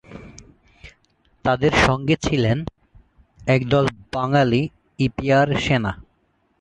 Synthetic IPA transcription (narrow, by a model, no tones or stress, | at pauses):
t̪ad̪eɾʃɔŋɡet͡ɕʰilen | ɛkd̪ɔlbaŋali | ipiaɾʃena